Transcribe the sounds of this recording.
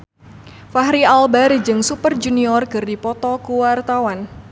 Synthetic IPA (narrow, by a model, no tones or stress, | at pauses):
faɦɾialbaɾid͡ʒɨŋsupərd͡ʒuniɔrkɨrdipɔt̪ɔkuwart̪awan